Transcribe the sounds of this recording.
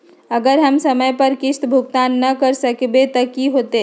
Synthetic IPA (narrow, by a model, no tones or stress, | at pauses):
əɡəɾɦəmsəməjpəɾkɪst̪bʱʊk̚t̪aːnːəkəɾsəkbet̪əkiɦot̪e